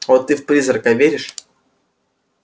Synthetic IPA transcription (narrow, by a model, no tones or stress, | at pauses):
ot̪ːɨfpɾʲizrkɐvʲeɾʲɪʂ